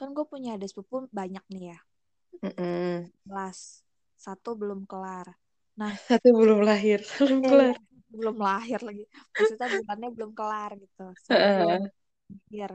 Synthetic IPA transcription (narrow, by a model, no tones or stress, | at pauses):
kanɡuapuɲaːdaspupʊnbaɲak̚nija | m̩m̩bəlasː | at̪ubəlʊmkəlar | nahsat̪ubəlʊmlaɦɪrsbəlʊmkəlar | bəlʊmlaɦɪrlaɡipat̪it̪abulanɲabəlʊmkəlarɡit̪usaəʔə | laɦɪr